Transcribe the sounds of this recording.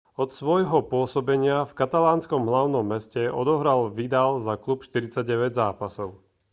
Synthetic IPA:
ɔt̪sʋɔjɦɔpʊɔsɔbɛɲɪafkat̪alaːnskɔmɦlaʊnɔmːɛscɛɔd̪ɔɦɾalʋid̪alzaklupʃt̪iɾit͡saɟɟɛʋɛɟzaːpasɔʊ

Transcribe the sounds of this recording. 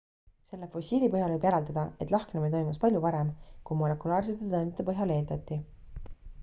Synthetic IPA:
se̞lːefo̞sʲiːlipɤɦjɑlvɤbjæɾɑld̪ɑd̪̥ɑet̪ːˑlɑhknemit̪o̞jmuspɑlʲjupɑɾe̞mkujmo̞le̞kˑulɑːrset̪ːˑet̪ɤend̪et̪epɤɦjɑle̞ːld̪ɑt̪ːi

